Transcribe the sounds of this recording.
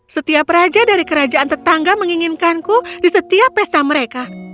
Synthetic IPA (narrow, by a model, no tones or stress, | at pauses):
sət̪iaprad͡ʒadaɾikəɾad͡ʒaʔant̪ərt̪aŋɡaməŋiŋinkankudisət̪iapːɛst̪aməɾeka